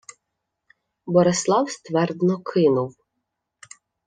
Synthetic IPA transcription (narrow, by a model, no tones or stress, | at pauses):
bɔɾɪslˠɑwst̪ʋɛrd̪nɔkʰɪnʊw